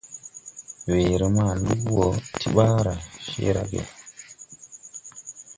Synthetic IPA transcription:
weː˨ɾɔ˨ma˦˨lu˦wɔ˨tʰi˦ɓa˦ɾa˨ʃḛ˦ɾa̰˦ɡḛ˨

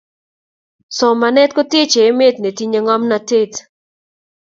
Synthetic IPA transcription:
sɔ˨ma˨nɛ˦t̚ko˦te˦t͡ʃeː˨˦me˦tne˨ti˦ɲe˨ŋɔ˦mna˨te˦˨t

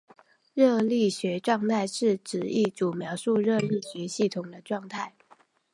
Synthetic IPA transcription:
ɻɤ˥˧li˥˩ɕɥɛ˧˥ʈ͡ʂwɑ˥˧ŋt̪ʰa˥˧ɪʂɻ̩˥˩ʈ͡ʂɻ̩˨˥i˥˩ʈ͡ʂu˨˩mjɑ˧˥ʊʂu˥˧ɻɤ˥˧li˥˩ɕɥɛ˧˥ɕi˥˩t̪ʰʊ˨˩ŋd̪ə˦ʈ͡ʂwɑ˥˧ŋt̪ʰa˥˩ɪ

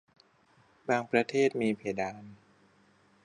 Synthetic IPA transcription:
baː˧ŋpɾa˧t̪ʰeː˥˩t̪̚miː˧pʰeː˨˩˦daː˧n

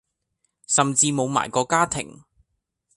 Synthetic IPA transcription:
sɐ˨mt͡siː˧mo˨˧wma̰ː˨˩jkɔː˧kaː˥t̪ʰɪ̰˨˩ŋ

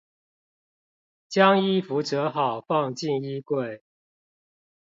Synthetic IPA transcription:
t͡ɕjɑ˦ŋi˥˩fu˨˥t͡sɤ˨˦xɑ˨˩ʊfɑ˥˨ŋt͡ɕi˥˨ni˦˥kwe˥˨ɪ

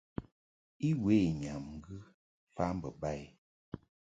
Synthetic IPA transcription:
i˦we˦˨ɲa˨mŋ̩˦ɡɨ˦ | fa˦m˦bə˨ba˦˨j

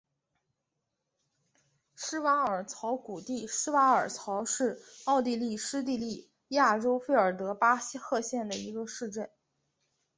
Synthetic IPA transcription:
ʂɻ̩˥wa˧˥ŋə˞˨˩t͡sʰɑ˧˥ʊku˨˩t̪i˥˩ʂɻ̩˥wa˧˥ŋə˞˨˩t͡sʰɑ˧˥ʊʂɻ̩˥˧ɑ˥˧ʊt̪̬i˥˧li˥˩ʂɻ̩˥t̪̬i˥˧li˥˩ | ja˥˩ʈ͡ʂo˥ʊfe˥˩ɪə˞˨˩t̪ɤ˧˥pa˥xɤ˥˧ɕjɛ˥˩nd̪ə˩i˧˥ɡə˧ʂɻ̩˥˧ʈ͡ʂə˥˩n

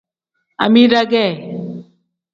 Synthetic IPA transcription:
a̰˨mi˦ɾa˦ɡɛ˦˨

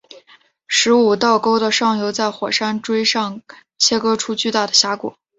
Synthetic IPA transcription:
ʂɻ̩˧˥u˨˩t̪ɑ˥˩ʊko˥ʊd̪ə˨ʂɑ˥˩ŋjo˧˥ʊt͡sa˥˩ɪxwɔ˨˩ʂa˥nʈ͡ʂwe˥ɪʂɑ˥˩ŋ | t͡ɕʰjɛ˥kɤ˥ʈ͡ʂʰu˥t͡ɕy˥˧t̪a˥˩d̪ə˩ɕja˧˥kwɔ̰˨˩˦

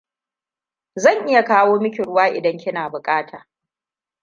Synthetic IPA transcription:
zɐ˦˨ŋʔɪ˦ja˨kaː˦woː˦mɪ˦kʲɪ˨ɽʊ˦waː˦ʔɪ˨dɐ˦ŋkʲɪ˦naː˨bʊ˨kʼaː˦tʰaː˨

